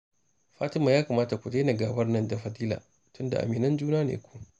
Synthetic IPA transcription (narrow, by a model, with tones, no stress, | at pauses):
ɸaː˦tɪ˦maː˨jaː˦ka˨maː˦ta˨kʷu˨deː˦na˨ɡaː˨bɐ˦rnɐ˦˨nda˨ɸɐ˨diː˦la̰ː˨ | tʊ˦nda̰˨ʔa̰˨miː˨nɐ˦nd͡ʒuː˦naː˦nḛː˨kʷu̥˦˨